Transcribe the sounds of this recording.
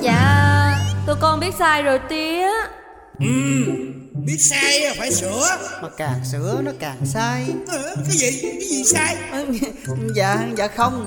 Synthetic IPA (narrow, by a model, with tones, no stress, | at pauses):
za̰ː˧˨ | t̪o˧jkɔ˧nɓi˦˥t̚saː˧jzo˨˩jt̪i˧əa˨˦ | ʔɨ˨˩m | ɓi˦˥ət̚saː˧jfaː˧˩jsɨ˧˦əmaː˨˩kaː˨˩ŋsɨ̰˧˥ənɔ˨˦kaː˨˩ŋsaː˧jʔə˨˩k̪aː˨˦və˧˨ka˨˦jzi˨˩saː˧jʔ | za̰ː˧˨ha˧ŋza̰ː˧˩xə˧wŋ͡m